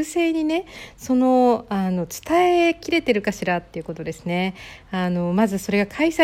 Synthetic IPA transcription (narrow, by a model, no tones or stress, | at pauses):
ɯse̞ːɲ̟ine̞so̞no̞ano̞t͡sɨ̥t̪aekʲiɾe̞t̪e̞ɾɯ̟kaɕiɾat̪ːe̞iɯ̟ko̞t̪o̞d̪e̞sɨne̞ano̞mazɨso̞ɾe̞ɡakʰaisa